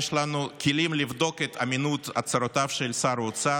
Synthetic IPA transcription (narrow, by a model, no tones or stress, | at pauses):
ʃlanukʰilimlivd̪o̞ket̪aminut̪a̰t͡saɾot̪avʃelsaɾot͡sa